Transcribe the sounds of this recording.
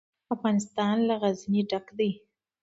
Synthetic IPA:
afɣɑnɪst̪ɑnlaɣazniɖakd̪aj

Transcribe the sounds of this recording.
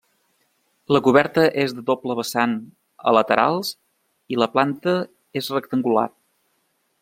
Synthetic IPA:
ləkuβ̞ɛɾt̪əʔezðəðopləβəsan | ə̰lət̪əɾʔa̰lˠs | iləplant̪ə | ezrək̚t̪əŋɡula̰

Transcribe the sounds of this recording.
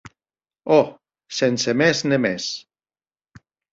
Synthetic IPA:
ɔ | sensemɛznemɛ̰s

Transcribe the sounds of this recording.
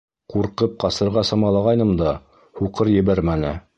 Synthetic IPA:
quɾqɤp̚qɑsɤ̆ɾʁɑsɤ̆mɑlˠɑʁɑjnɤmd̪ɑ | huqɤɾjɘ̆βæɾmænɘ̰

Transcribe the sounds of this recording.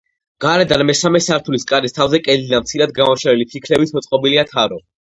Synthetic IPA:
ɡ̥aɾɛd̪anmɛsamɛsaɾt̪ʰuliskʼaɾist̪ʰavzɛkʼɛd̪id̪amt̪sʰiɾad̪̚ɡamɔʃɛɾɛlipʰlikʰlɛbit̪sʰmɔt̪sʼqʼɔbiliat̪ʰaɾɔ

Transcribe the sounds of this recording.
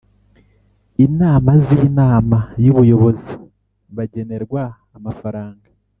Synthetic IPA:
inaːmazinaːmajuβujo̞βo̞zi | βaɟe̞ne̞ɾɡwaː | mafaɾaːŋɡa

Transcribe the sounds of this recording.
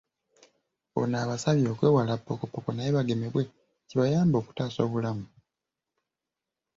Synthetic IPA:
o̰naːβasaβjo̞ːkwe̞ːwalapːokopːokonajeβaɡe̞meβwe̞ | ciβajaːmbo̞ːku̥taːso̞ːβulamu

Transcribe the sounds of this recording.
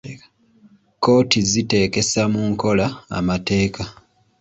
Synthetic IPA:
ko̞ːtizite̞ːke̞samuŋko̞laa̰mate̞ːka

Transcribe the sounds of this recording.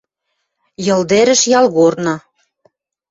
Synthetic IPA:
jɤ̆ld̪eɾɘ̆ʃjɑlɣornɑ

